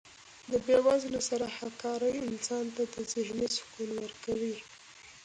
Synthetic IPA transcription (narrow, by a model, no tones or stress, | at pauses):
d̪əbewazlasaɾahakɑɾəjɪnsɑnt̪ad̪əzɪhnisʊ̥kunwəɾkawi